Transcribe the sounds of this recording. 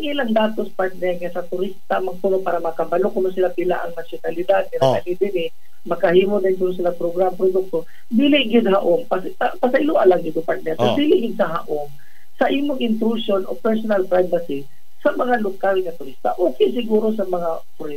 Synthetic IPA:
aŋʔɪlaŋd̪aːt̪ospaɹt̪̚nɛɾŋasɐt̪ʊɾist̪amɐɡ̚p̪uːnopaːɾɐmɐkɐbɐlokʊnʊsɪlapɪla̰ʔɐ̰ŋnasjʊnalɪd̪ad̪̚nɪɾaɐ̰lɪd̪ɪnɪ | mɐkɐhiːmod̪aɪnt̪ʊɾos̬ɪlaŋpɾoɡɾampɾod̪ʊk̚t̪o | biːlɪʔɡɪd̪̚haʔompasapasaʔɪluʔalaŋɡɪd̪opaɾt̪̚nɛɾad̪iːlɪʔɡɪd̪̚sɐɦa̰ʔom | sɐʔiːmoŋɪnt̪ɾuʃonopɛɹsonalpɾajvasi | sɐmɐŋalokalŋɐt̪ʊɾist̪a̰ʔoːkɛʔs̬ɪɡuːɾosɐmɐŋa | pʊɾɪ

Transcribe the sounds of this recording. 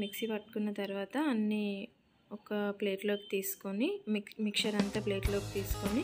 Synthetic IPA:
miksipɐʈːu̥kunːɐt̪ɐɾuʋaːt̪ɐːnːi | ɔkɐple̞ːʈlo̞ːki̥t̪iːsu̥konimmikʂɐɾɐnt̪aːple̞ːʈlo̞ːkit̪iːsu̥koni

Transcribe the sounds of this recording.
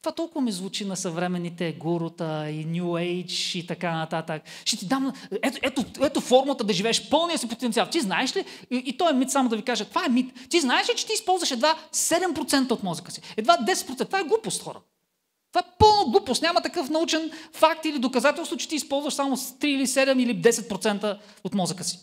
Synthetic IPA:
t̪ovat̪ɔlˠkʊvɐmizvut͡ʃinɐsɐvɾɛmɛnːit̪ɛɡuɾʊt̪əinʲjuejt͡ʃit̪ɐkanɐt̪at̪əkʃɛt̪id̪amɛt̪ɛt̪oɛt̪ofɔɾmət̪əd̪ɐʒivɛɛʃpɤlˠnijəsipot̪ɛnt̪ialˠt̪iznaɛʃliit̪ɔɛmit̪samʊd̪ɐvikaʒət̪ovaɛmit̪t̪iznaɛʃlit͡ʃɛ̥t̪iːspɔlˠzvɐʃɛd̪vasɛd̪ɛmpɾot̪sɛnt̪əot̪mɔzəkə̥si̥ɛd̪vad̪ɛsɛt̪̚pɾot̪ɛnt̪vaɛɡlˠupost̪xɔ̰ɾə̰ | t̪ovaɛpɤlˠnoɡlˠupost̪nʲamət̪ɐkɤfnɐut͡ʃɛnfak̚t̪ilid̪okɐzat̪ɛlˠst̪vʊt͡ʃɛ̥t̪iːispɔlˠzvɐʃsamot̪ɾiilisɛd̪ɛmilid̪ɛsɛt̪̚pɾot̪sɛnt̪ə | ot̪mɔzəkəsi̥

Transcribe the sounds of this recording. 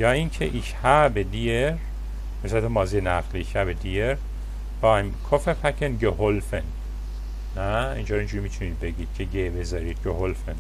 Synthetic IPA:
jɒːincʰḛʔiʃhæbed̪ijeɾ | hesæt̪emɒːzijenæʁliʃæbed̪ijeɾ | b̥ɒːjmkʰofepʰækʰenɡeɦolfen | næḭnd͡ʒoːɾind͡ʒuɾimit̪ʰunid̪̚be̞ɟiːd̪̥cʰeɟebezɒːɾiːd̪̥̚ɡoɦolfen

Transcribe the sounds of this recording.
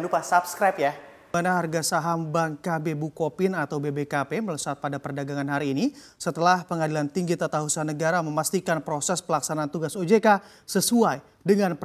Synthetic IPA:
nlupasapskɾapja | anaɦarɡasaɦambaŋkabebukopɪnat̪awbebekapemələsat̪̚padapərdaɡaŋanɦaɾiːni | sət̪əlahpəŋadilant̪iŋɡit̪at̪aɦusaanəɡaɾaməmast̪ikanpɾosɛspəlaksanaːnt̪uɡasod͡ʒeka | səsuaj | dəŋanp

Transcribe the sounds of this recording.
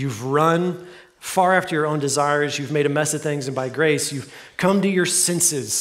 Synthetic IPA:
jʉvɹʌ̃n | fɑɹæftə˞jə˞õʊ̃ndɨzaɪə˞zjʉvmeɪɾɨmɛsʌv̥θɪ̃ŋzɨ̃nbaɪɡɹeɪsjʉv̥kʰʌ̃mtɨjə˞sɛ̃nsɪz̥

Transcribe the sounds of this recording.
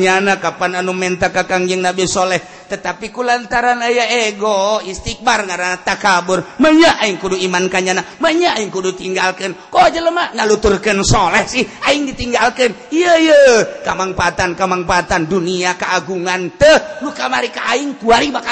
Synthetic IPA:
ɲanakapananumɛnt̪akakaŋd͡ʒəŋnabisolɛh | t̪ət̪apikulant̪aɾanajaeɡoist̪ik̚barŋaɾaat̪akabʊrməɲaʔaiŋkuduimankaɲanaməɲaːiŋkudut̪iŋɡalkənkod͡ʒələmaŋalut̪ʊrkənsolɛhsɪhaɪŋdit̪iŋɡalkəniəjəkamaŋpat̪ankamaŋpat̪anduniakaaɡuŋant̪əlukamaɾikaʔaɪŋk̪uaɾibaka

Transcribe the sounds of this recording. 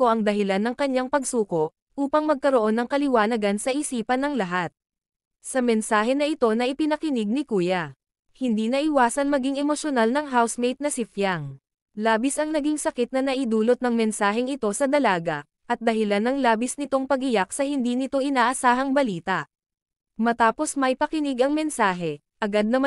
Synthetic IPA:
koʔɐŋd̪ɐɦɪlanːɐŋkɐɲːaŋpɐɡ̚suːko̞ʔ | ʔuːpɐŋmɐɡ̚kɐɾoʔo̞nːɐŋkɐlɪwaːnɐɡansɐʔɪsiːpɐnːɐŋlɐɦat̪̚ | sɐmɛnsaːɦɛnɐʔɪt̪o̞nɐʔɪpɪnɐkɪnɪɡ̚nɪkuːjɐ | hɪnd̪inɐʔɪwaːsɐnmɐɡiŋɛmoʃonalnɐŋɦawsmejt̪̚nɐsɪfjaŋ | laːbɪsʔɐŋnɐɡiŋsɐkɪt̪̚nɐnɐʔɪd̪uːlot̪̚nɐŋmɛnsaːɦɛŋɪt̪o̞sɐd̪ɐlaːɡɐ̰ | ʔɐt̪̚d̪ɐɦɪlanːɐŋlaːbɪsnɪt̪o̞ŋpɐɡɪjak̚sɐhɪnd̪iːnɪt̪o̞ʔɪnaːʔɐsaːɦɐŋbɐliːt̪ɐʔ | mɐt̪aːpo̞smɐjpɐkɪnɪɡʔɐŋmɛnsaːɦɛ | ʔɐɡad̪̚nɐ

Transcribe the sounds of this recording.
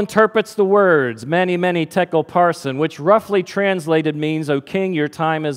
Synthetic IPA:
ə̃ntʰɜ˞pɹɨtsðəwɜ˞dzmɛnimɛñitʰɛkl̩ˠpʰɑɹsɨ̃nwɨt͡ʃɹʌflitʰɹ̥æ̃nsleɪɾɨd̚mĩnzoʊkʰɪ̃ŋjə˞tʰãɪ̃mɨz

